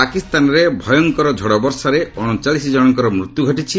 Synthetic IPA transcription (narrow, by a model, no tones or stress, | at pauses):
akist̪anɔɾebʱɔjɔŋkɔɾɔd͡ʒʱɔɽɔbɔɾsaɾeɔɽ̃ɔt͡ʃalisid͡ʒɔɽ̃ɔŋkɔɾɔmɾut̪juɡʱɔʈit͡ʃʰi